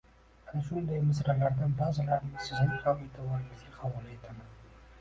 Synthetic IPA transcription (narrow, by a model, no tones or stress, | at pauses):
anaʃʊnd̪ajmɪs̬ɾalaɾd̪anbazalaɾɪmɪz̥sɪznɪŋkʰɒlet̪ʰɪbɒɾɪŋɪzɡʲaqʰɑbulˠet̪ʰaman